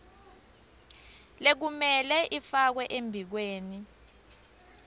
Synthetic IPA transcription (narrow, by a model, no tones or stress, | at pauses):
lek̬umɛlɛʔifak̬wɛʔembʱik̬weːni